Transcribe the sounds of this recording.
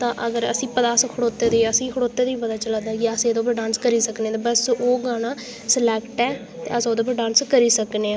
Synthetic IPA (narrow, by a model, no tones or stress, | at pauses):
t̪ãːʔəɡəɾə̰sĩːpəd̪aːskʰəɽoːt̪eːd̪eːəsĩːkʰəɽoːt̪ːeːd̪eːiːpəd̪aːt͡ʃəlãːd̪aːkiəsẽːd̪oːp̬əɾɖãːnskəɾiːsəknẽɛ̃ːt̪ːbəsoːɡaːnaː | səlɛːkʈɛː | t̪eːəsoːd̪oːp̬əɾɖãːnskəɾiːsəkneːaː